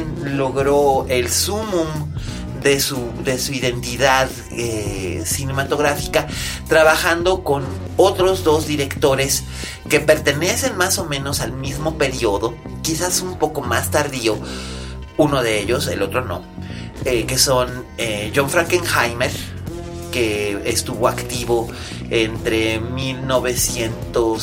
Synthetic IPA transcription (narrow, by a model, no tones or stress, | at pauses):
nlo̞ɣɾo̞e̞lsumũm | d̪e̞sud̪e̞suiðe̞nt̪iðað | esine̞mat̪o̞ɣɾafikat̪ɾaβaxand̪o̞ko̞n | ot̪ɾo̞zðo̞zðiɾe̞kt̪o̞ɾe̞s | ke̞pe̞ɾt̪e̞ne̞se̞nmaso̞mẽ̞no̞salmizmo̞pe̞ɾio̞ðo̞ | kisasumpo̞ko̞mast̪aɾðio̞ | uno̞ðeeʎo̞se̞̰lo̞t̪ɾo̞no̞̰eke̞so̞n | eʝoɱfɾaŋkeŋxajmeɾ | keːst̪uβo̞akt̪iβo̞ | ent̪ɾe̞milno̞βe̞sje̞nt̪os